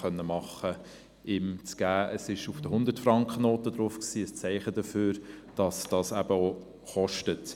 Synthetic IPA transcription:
œnːəmɑχə | ɪmt͡sɡ̥æːəsɪʃufd̥əhʊnd̪ətfrɑŋkχənoːtəd̥ɾʊfksiːəst͡sɛɪχədəføːɾd̥ɑsd̥ɑːsæb̥əo | χɔʃtət

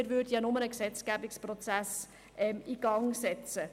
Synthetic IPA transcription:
ɪɾvʏdəjɑnɔmənəksɛt͡sɡæbɪksprɔt͡sæs | ʔɛmiɡ̥ɑŋsɛt͡sə

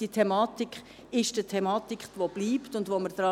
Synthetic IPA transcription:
d̥iətʰɛmɑːt̪ikχ | ɪʃd̥iətʰɛmɑːt̪ikʋob̥liːptʊndvoməɾd̥ɾɑ

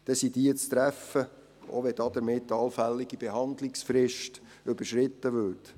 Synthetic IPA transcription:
d̥ɛsid̥iət͡st̪ɾæfə | ʔo̰ʋɛd̥̪ɑd̪̥əɾmɪtːɑlfælːɪɡib̥eɦɑnd̪lɪksfɾɪʃt | ɵbəɾʃɾɪt̪ːəʋʏɾt

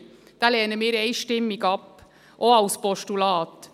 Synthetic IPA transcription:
d̪̥æːleːnəmɪːɾɛɪʃʈɪmːɪɡɑp | ʔoɑʊspɔʃʈʊlɑːt̪

